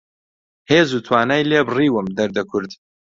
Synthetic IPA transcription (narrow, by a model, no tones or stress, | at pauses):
heːzuːt̪ʰwaːnaːjleːbriːwɨmd̪ɐɾd̪ɐkʰʊɾd̪